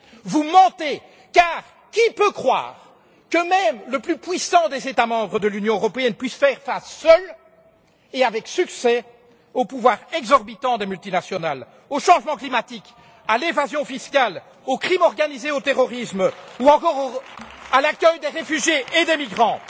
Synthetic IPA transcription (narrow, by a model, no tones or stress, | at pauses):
vumɑ̃t̪e | kaːʁ | kʲipøkχwa̰ːʁ | kəmɛmləplypɥisɑ̃d̪ezet̪amɑ̃bʁəd̪əlynjɔ̃øʁɔpeɛnpɥisfɛʁfasːœl | eavɛksyksɛ | opuvwaːʁɛɡzɔʁbit̪ɑ̃d̪emylt̪inasjɔnal | oʃɑ̃ʒmɑ̃klimat̪ik | alevazjɔ̃fiskal | okχimɔʁɡanizeot̪eʁɔʁismuɑ̃kɔːʁoalakʲœjd̪eʁefyʒjeed̪emiɡʁɑ̃